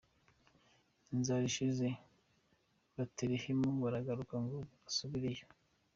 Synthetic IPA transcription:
nzaɾiʃize | βateɾihimoŋɡaɾaɡaɾukaŋɡoβaasuβiɾejo

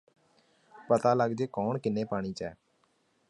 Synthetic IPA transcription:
pət̪aːləɡd͡ʒeːkɔːɳkɪneːpaːɽ̃iːt͡ʃɛː

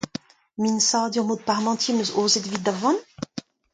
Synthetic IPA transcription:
minsaːd̪yʁmod̪̚paʁmɑ̃t̪jemøzoːzed̪vit̪d̪avɑ̃n

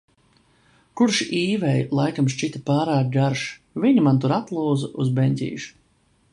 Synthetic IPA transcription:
kuɾʃiːvɛjlˠajkamʃt͡ʃit̪ʲapaːɾaːk̚ɡaɾʃ | vʲiɲimant̪uɾat̪lˠuːzaʔuzbenʲt̪ʲḭːʃ

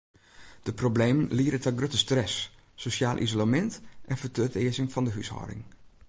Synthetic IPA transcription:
d̥əprobleːmənliːɾətɛɡrøtəstrɛsː | osjaːlˠʔḭzolamɛntʔɛnfətʰøːtɪːəzɪŋfɑndəɦyshɔ̰ːdɪ̰ŋ

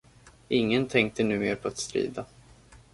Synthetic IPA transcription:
ʔɪŋːənt̪ʰɛŋk̚t̪ənʉ̟ːmeːɾpʰɔat̪st̪ɾḭːd̪a

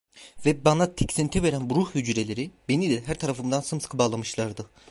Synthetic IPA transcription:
vɛbanat̪ʰe̥csint̪ʰive̞ɾænbuɾuhhyd͡ʒɾelʲe̞ɾibe̞nilʲɛɦæɾt̪ʰaɾafɯmd̪ansɯmsɯ̥kʰɯbaːlˠamɯʃlˠaɾd̪ɯ

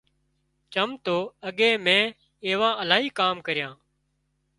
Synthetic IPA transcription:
t͡ʃəmt̪oːəɠẽːmẽː | eːʋãːəlaːɦiːkaːmkəɾɪjãː

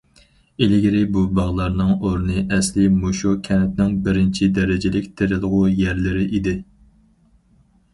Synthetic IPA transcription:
elɪɡʲiɾɪbubɑʁlˠɑɾnɨŋoɾnɨʔɛslɪmoʃukʲʰɛnɛt̪̚nɪŋbɪɾɪnt͡ʃʰid̪ɛɾɪd͡ʒɪlɪkʲt̪ʰeɾɪlˠʁʊjæɾlɪɾɪʔid̪ɪ

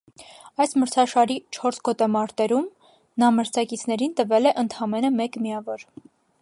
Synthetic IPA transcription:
ɑjsməɾt͡sʰɑʃɑɾit͡ʃʰɔɾsɡɔt̪ɛmɑɾt̪ɛɾum | nɑməɾt͡sʰɑkit͡sʰn̪ɛɾint̪əvɛlɛʔənt̪ʰɑmɛnəmɛkmiɑvɔɾ

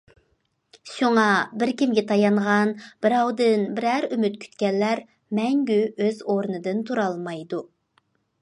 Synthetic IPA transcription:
ʃuŋɑbɪɾkʲimɡʲɛt̪ʰɑjɑɴʁɑnb̥ɪɾɑwd̪ɨnbɪɾæɾymyt̪̚kʲʰy̥t̪kʲɛnːæɾ | mɛŋɡʲyøzoɾnɨd̪ɨnt̪ʰuɾɑlˠmɑjd̪u

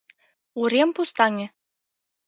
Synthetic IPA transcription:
uɾempust̪ɑŋʲĕ

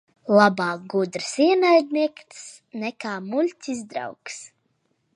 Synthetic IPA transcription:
lˠabɑːk̚ɡud̪ɾɨsiɛnajd̪ʲniɛkt̪s | nɛkaːmulʲt̪ʲizd̪ɾa̰wks

